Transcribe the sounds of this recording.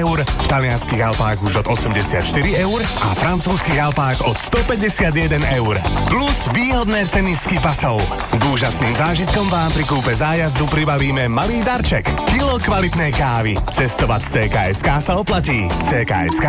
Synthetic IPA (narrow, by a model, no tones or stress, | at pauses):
ʊɾft̪alɪanskiːɣalpaːɣuʒɔd̪ɔsɛmɟɛsɪa̰t̪ʃt̪iɾiɛʊɾ | ʔa̰fɾant͡suːskiːɣalpaːɣɔt̪st̪ɔpɛɟɛsɪad̪jɛd̪ɛnɛʊɾpluzʋiːɦɔd̪nɛːt͡sɛniskipasɔʊ | ɡuːʒasniːmzaːʒit̪̚kɔmʋaːmp̪ɾikuːpɛzaːjazd̪upɾibaʋiːmɛmaliːd̪aɾt͡ʃɛkːilɔkʋalit̪nɛjkaːʋi | t͡sɛst̪ɔʋact͡sɛːka̰ːɛskaːsaɔplaciː | t͡sɛːka̰ːɛ̰ska